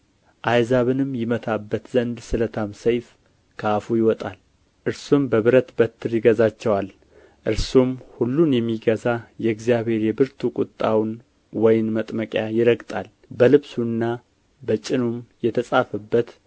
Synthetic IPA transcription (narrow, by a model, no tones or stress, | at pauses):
ʔajzaβɨnɨmjɪmət̪ʰabːət̪zənd̪sɨlət̪ʰamsəjf | kʰəafujɪwɔt̪ʼal | ʔɨɾsumbəβɨɾət̪bət̪ʰːɨɾjɪɡəzat͡ʃːɛwal | ʔɨɾsumhulːunjɛmːiɡəzajɛɡzjaβhe̞ɾjɛbɨɾt̪ʰukʼʊt̪ʼːawn | wɔjɪnmət̪ʼməkʼjajɪɾəɡt̪ʼal | bəlɨβsunːa | bət͡ʃʼɪnumjɛt̪ʰəsʼafəbːət̪